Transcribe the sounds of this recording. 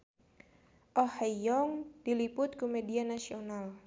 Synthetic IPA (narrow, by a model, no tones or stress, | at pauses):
ʔɔhajɔŋd̥ilipʊt̪̚komedianasional